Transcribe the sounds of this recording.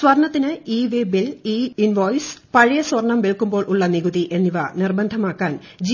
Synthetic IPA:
swɐrɳɐt̪ːinɨiːʋeːbiliːinʋoːjspɐɻijɐsʋɐrɳɐmʋeɭkːumboːɭʔuɭːɐniɣuðiʔe̞nːiʋɐnirbɐnd̪ʱɐmaːkːaːnd͡ʑi

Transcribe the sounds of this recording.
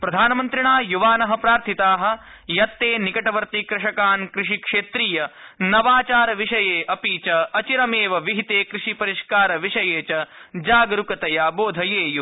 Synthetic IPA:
pɾɐd̪ʱaːnɐmɐnt̪ɾiɳaːjuʋaːnɐɦɐ̆pɾaːɾt̪ʰit̪aːɦɐ̆ | jɐt̪ːeːnikɐʈɐʋɐɾt̪ikɾɐʂɐkaːnkɾɪʂikʂeːt̪ɾijɐnɐʋaːt͡ʃaːɾɐʋiʂɐjeːʔɐpiːt͡ʃɐɐt͡ʃiɾɐmeːʋɐʋiɦit̪eːkɾɪʂipɐɾiʂkaːɾɐʋiʂɐjeːt͡ʃɐd͡ʒaːɡɾukɐt̪ɐjaːboːd̪ʱɐjeːju

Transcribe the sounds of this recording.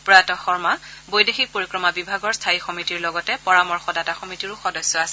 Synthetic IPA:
pɹɔjatɔxɔɹmabojdexik̚poɹikɹɔmabibʱaɡɔɹstʰaixɔmitiɹlɔɡɔtɛpɔɹamɔɹxɔdataxɔmitiɹʊxɔdɔsːɔasɛ

